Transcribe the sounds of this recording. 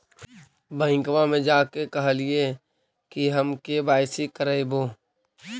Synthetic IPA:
bə̃ɪ̃kwamẽd͡ʒaːkekɐɦlɪe | kiɦəmkebaːɪsikəɾəeboː

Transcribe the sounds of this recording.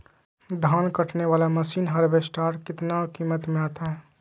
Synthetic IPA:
d̪ʱaːnkəʈʰneʋaːlaməsiːnɦɐɾbesʈaːɾkɪt̪naokiːmət̪mẽaːt̪aɦɛː

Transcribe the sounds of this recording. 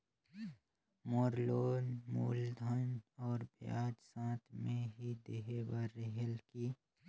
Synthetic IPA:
moːɾloːnmṵːld̪ʱənɔːɾbja̰ːd͡ʒsãːt̪ʰmẽɦid̪eɦebaɾːeɦəlki

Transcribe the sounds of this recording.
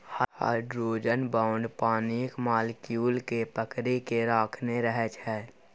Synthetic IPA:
haha̰ɖɾoːd͡ʒənbãːʊ̃ɳɖpaːniːkmaːlkjuːlkepəkɾekeɾaːkʰneɾəɦɛt͡ʃʰɛː

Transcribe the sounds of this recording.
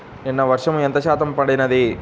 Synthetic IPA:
inːɐʋɐɾʂɐmuent̪ɐt͡ʃaːt̪ɐmpɐɽinɐd̪i

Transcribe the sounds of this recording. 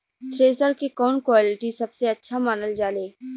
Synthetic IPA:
t̪ɾeːsəɾkikɔːnkwaːlɪʈisɐbseɐtːʃʰamaːnəld͡ʒaːleː

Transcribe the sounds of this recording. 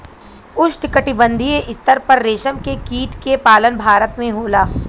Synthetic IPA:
ʊʃʈkɐʈibə̃nd̪ʱieʔɪst̪əɾpɐɾːeːʃəmkekiːʈkepaːlənbʱaːɾət̪mẽɦoːlaː

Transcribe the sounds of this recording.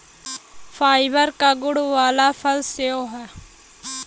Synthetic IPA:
fʰaːɪbəɾkaɡʊɽʋaːlaːpʰəlseoːɦɛː

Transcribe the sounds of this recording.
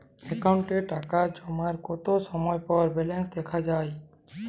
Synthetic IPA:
ekaʊ̃ɳʈeʈakad͡ʒomaɾkot̪osɔmɔjpɔɾbelẽnsd̪ekʰad͡ʒaːj

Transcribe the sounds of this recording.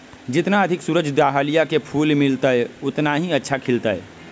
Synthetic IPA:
d͡ʒɪt̪naəd̪ʱɪksuːɾəd͡ʒʱd̪aɦalijakepʰuːlmɪlt̪əɛʊt̪naɦiətːʃʰakʰɪlt̪əɛ

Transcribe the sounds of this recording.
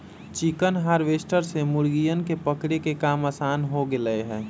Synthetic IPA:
t͡ʃikənɦaːɾʋeːsʈəɾsemʊɾɡijənkepəkɽekekaːmasaːnɦoɡɪləeɦɛ̃ː

